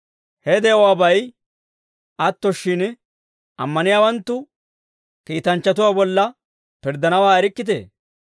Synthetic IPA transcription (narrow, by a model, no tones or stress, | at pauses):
hɛd̪ɛɔwaːbɐj | ʔɐt̪ːɔʃːɪn | ʔɐ̰mːɐnɪjaːwɐnt̪ːʊ | kiːt̪ɐnt͡ʃːɐt̪̬ʊwaːbɔlːɐ | pɪɾd̪ɐnɐwaːɛɾɪkːɪt̪̬ḛː